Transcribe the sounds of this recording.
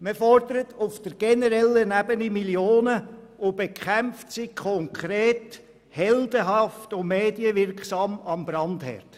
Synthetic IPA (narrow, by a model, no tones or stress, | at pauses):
məfɔrdəɾətʊfd̥əɾɡ̥ɛnəɾɛlːənæbənimiljoːnə | ʊb̥ekχæmftsikʰɔŋkʰɾeːt | hɛldəɦɑftʊmeːdiəʋɪɾkχsɑmɑmbɾɑndhɛ̰rt